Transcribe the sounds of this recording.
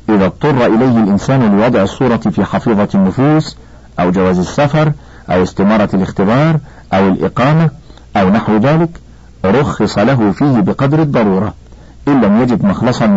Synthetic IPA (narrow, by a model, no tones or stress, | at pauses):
ʔɪðæt̪ˤːʊrˤːɑʔɪlajɦɪlʔɪnsæːnlɪwɑd̪ˤʕɪsˤːuːɾˤɑfiːħɑfiːðˤɑnːʊfuːs | ʔawd͡ʒawæːzɪsːafɑɾˤ | ʔa̰wɪst̪ɪmɑːɾˤɑlɪxt̪ɪbɑːɾˤ | ʔawɪlʔɪ̰qɑːma | ʔawnaħwðaːlɪk | ɾˤʊxːɨsˤɑlaɦʊfiːhɪbɪqɑd̪ɾɑd̪ˤːɑɾˤuːɾˤɑ | ʔɪlːæmjæd͡ʒɪd̪mɑxlɑsˤɑn